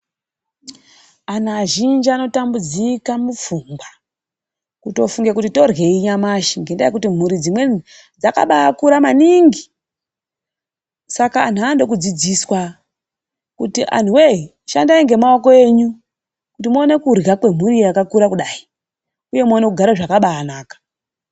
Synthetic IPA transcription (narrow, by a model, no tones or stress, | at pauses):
anaːʒind͡ʒano̞tambud͡zikamufumɡa | kuto̞fuŋɡekutito̞rɣe̞iɲamaʃiŋɡe̞ndaikutim̤uɾid͡zimwe̞ | d͡zaka̰ɓakuɾamaniŋɡi | sakaːn̤uando̞k̬ud͡zid͡ziswa | kutiʔa̰n̤uwei | ʃandaiŋɡe̞mao̞ko̞e̞ːɲu | kutimoːne̞kurɣakwe̞m̤uɾiakakuɾakuɗai | uje̞moːne̞kuɡʱaɾaʐakaɓaːnaːkḁ